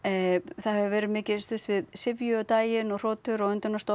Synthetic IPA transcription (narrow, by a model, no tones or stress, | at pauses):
θaðhɛvʏvɛːɾɪðmɪːcɪst̪ʏst̪vɪðsɪvjʏɔt̪aːjɪnɔɣr̥ɔːt̪ʏɾaɣʏnt̪ʏnast̪o